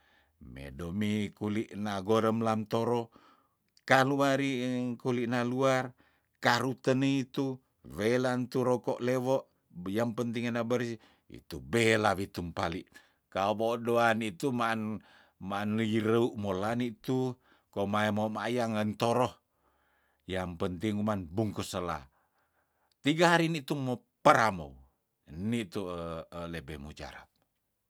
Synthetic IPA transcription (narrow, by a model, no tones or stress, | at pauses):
mḛdomikuliʔnaɡoɾəmlant̪oɾo | kaluaɾikuliʔnaluar | kaɾut̪ənəit̪u | welant̪uɾɔkɔʔlewɔʔ | jaŋpənt̪̬iŋanabəɾsi | ḭt̪ubelaβit̪umpa̰liʔ | kaobodoanit̪uman | maːnliɾəuʔmolanit̪u | komaemomajaŋənt̪oɾɔh | jampənt̪iŋumanbuŋkusəla̰ | t̪iɡaɦaɾinit̪umːo | pəɾamo̰w | nit̪ulebɛmud͡ʒa̰ɾa̰p̚